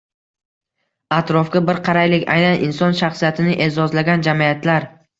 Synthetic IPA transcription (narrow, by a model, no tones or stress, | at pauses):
at̪ɾɒfkʲabɪɾqʰɑɾajlɪkʲa̰jnanʔɪnsɒnʃaχsijat̪ʰɪnɪʔe̞zɒzlaɡʲand͡ʒamiat̪ʰlaɾ